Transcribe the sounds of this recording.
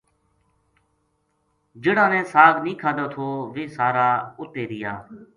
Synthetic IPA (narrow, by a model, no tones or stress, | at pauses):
d͡ʒɪɽãːnẽːsaːɡnĩːkʰaːd̪aːt̪ʰoːʋeːsaːɾaːʊt̪eːɾɪja̰ː